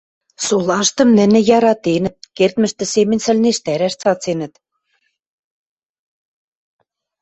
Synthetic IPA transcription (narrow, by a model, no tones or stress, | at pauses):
solɑʃt̪ɤ̆mnɘ̆nɘ̆jɑɾɑt̪enɘ̆t̪̚kert̪mɘ̆ʃt̪ɘ̆semɘ̆nʲsɘ̆lʲneʃt̪æɾæʃt͡sɑt͡senɘ̆t̪